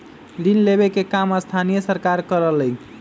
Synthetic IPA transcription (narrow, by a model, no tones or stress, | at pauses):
linlebekekaməst̪ʰanijəsəɾkaɾkəɾələj